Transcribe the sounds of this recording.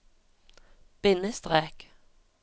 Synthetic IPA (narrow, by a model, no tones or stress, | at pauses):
b̥ɪnəst̪ʁeːk